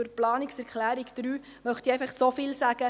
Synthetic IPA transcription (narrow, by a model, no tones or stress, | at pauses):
ʊɾplɑːniksɛɾkʰlæːɾikd̪̥ɾyː | mœχt̪iɛjfaχsofɪlsæɡ̥ə